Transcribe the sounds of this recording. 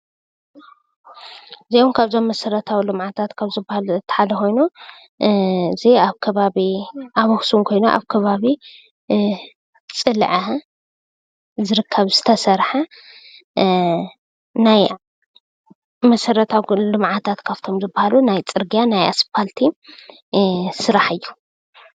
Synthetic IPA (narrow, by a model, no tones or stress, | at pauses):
zejomkʰaβzo̞mːɐsɐɾɐt̪ʰawilɨmʕat̪ʰat̪kʰaβzɨbahalɨt̪ʰːħad̪ɐxo̞jnu | ɨziaβkʰɐβaβiʔaβuxsumkʰo̞jnoʔa̰βkʰɐβaβi | t͡sʼɨlʕa | zɨɾɨkʰːɐβz̥ɨt̪ʰɐsɐɾħa | naj | mɐsɐɾɐt̪ʰawlɨmʕat̪ʰat̪kʰaβt̪ʰo̞mzɨbːahalunajt͡sʼɨɾɡijanajaspʰalt̪ʰi | sɨɾaħɨjːu